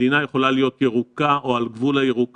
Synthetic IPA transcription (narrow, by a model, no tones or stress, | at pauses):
inaje̞χo̞lalijo̞t̪jeʁukao̞alɡvulajeʁuk